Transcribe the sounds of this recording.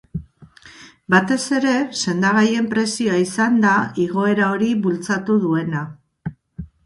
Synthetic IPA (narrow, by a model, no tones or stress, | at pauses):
bat̪e̞se̞ɾe̞se̞nd̪aɣaje̞mpɾe̞sioaisand̪aiɣ̞o̞e̞ɾao̞ɾiβult͡sat̪uðue̞na